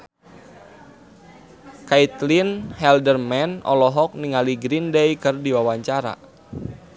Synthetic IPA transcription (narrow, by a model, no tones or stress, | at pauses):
kait̪linhɛldərmɛnɔ̰lɔɦɔk̚niŋaliɡɾindejkɨrdiwawaɲt͡ʃaɾa̰